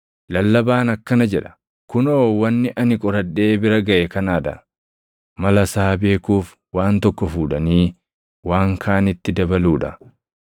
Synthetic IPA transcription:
lɐlːɐbaːnɐkːɐnɐd͡ʒɛᶑɐ̥ | kʊnoːwɐnːɪʔɐnɪkʼɔɾɐᶑːe̞ːbɪɾɐɡɐʔɛkɐnaːd̪ɐ̰ | mɐlɐsaːbeːkuːf | waːnt̪ɔkːɔfuːᶑɐniː | waːŋkʰaːnɪt̪ːɪd̪ɐbɐluːᶑɐ

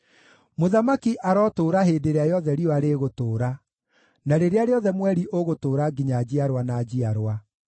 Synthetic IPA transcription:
moðamakiʔaɾɔːtoːɾaɦeːdeɾeajɔðɛɾiɔaɾeːɣotoːɾa | naɾeɾeaɾeɔðɛmwɛɾiʔoɣotoːɾaɡiɲad͡ʑiaɾwanad͡ʑiaɾwa

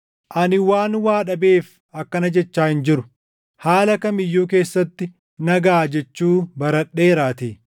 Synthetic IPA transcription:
ʔɐnɪwaːnwaːᶑɐbe̞ːf | ɐkːɐnɐd͡ʒɛt͡ʃːaːhɪnd͡ʒɪɾʊ | haːlɐkɐmɪjːuːk̬e̞ːsːɐt̪ːɪ | nɐɡaːd͡ʒɛt͡ʃːuːbɐɾɐᶑːe̞ːɾaːt̪eː

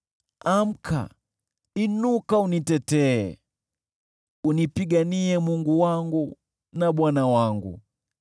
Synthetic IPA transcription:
am̩kʰa̰ | inukaunitɛtɛ̰ː | unipiɡaniɛmuŋɡuwaŋɡu | naɓwanawaŋɡṵ

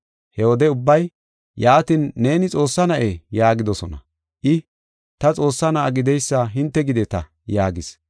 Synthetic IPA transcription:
hɛwɔd̪ɛʊbːɐj | jaːt̪ɪnːe̞ːnɪt͡sʼo̞ːsːɐnɐʔeːjaːɡɪd̪ɔsɔnɐ̰ | ʔɪ | t̪ɐt͡sʼo̞ːsːɐnɐʔɐɡɪd̪ɛjsːaɦɪnt̪ːɛɡɪd̪ɛt̪ɐ | jaːɡɪs

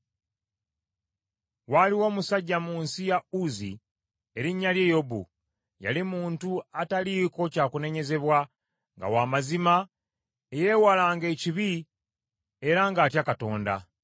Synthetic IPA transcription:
waliwo̞ːmusaɟːamuːnsijauzḭ | e̞ɾiɲːalje̞jo̞bṵ | ja̰limuːntuataliːko̞caːkune̞ɲe̞ze̞βwa | ŋɡa̰waːmazima | eje̞walaːŋɡe̞ciβi | e̞ɾaŋɡaːtjakato̞ːnda̰

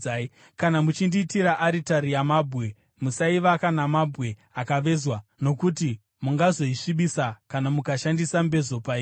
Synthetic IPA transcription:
a | kanamut͡ʃindiːtiɾaʔaɾitaɾijamabʱwe̞ | musaiʋakanamabʱɣe̞akaʋe̞zwano̞kuti | muŋɡazo̞iʂiɓisakanamukaʃandisambe̞zo̞pai

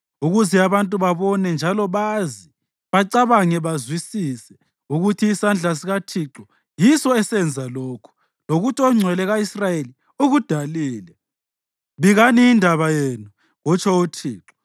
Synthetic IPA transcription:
uɣuziaβantʼuβaβɔnɛnd͡ʒʱalɔβazi | βaǀaβaŋɛβazwisiːsɛ | uɣutʰiːsand͡ɮʱas̬iɣatʰiǁɔ | jisɔɛsɛnd͡zʱaloːkʰu̥ | loɣutʰɔŋ͡ǀʱwɛlɛɣaisrajeli | uɣud̥ʱaliːlɛ | βiɣaniːndʱaβajenu | ɣɔt͡ʃʰʼɔutʰiːǁɔ̥

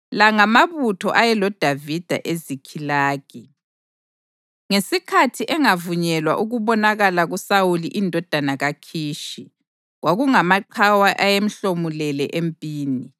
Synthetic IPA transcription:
laŋamaβutʰɔ̰ʔajɛlɔd̥ʱavid̥ʱa̰ʔezikʰilaːɣ̥ʱi | ŋesikʰatʰiʔɛŋavuɲɛlwa̰ʔuɣuβɔnaɣalaɣusawuliʔindʱɔd̥ʱanaɣakʰiːʃi | ɣwaɣuŋamaǃʰawaʔajem̩ɬomulɛlɛʔempʼiːni

